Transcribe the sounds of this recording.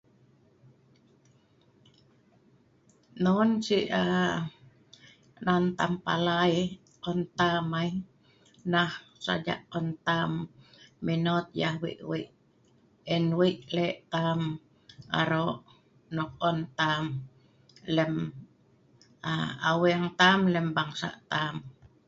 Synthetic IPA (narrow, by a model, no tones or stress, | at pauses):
nonsiʔa | nant̪ampa̰laj | kɔnt̪amai | nahsa̰d͡ʒa̰ʔɔnt̪amː | inot̪̚jahwḭʔwiʔ | ɛnwiʔlɛʔt̪am | a̰ɾoʔ | nɔkɔnt̪am | lɛm | aawɛŋt̪amlɛmbaŋsa̰ʔt̪am